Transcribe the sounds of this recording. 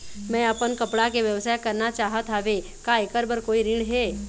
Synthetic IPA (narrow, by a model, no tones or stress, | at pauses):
mɛ̃ɐpənkɐpɽakeʋjɐʋsaːjkɐɾnat͡ʃaːɦət̪ʰaːɦʋe | kaekəɾbəɾkoːiɾɪ̃ɖɦe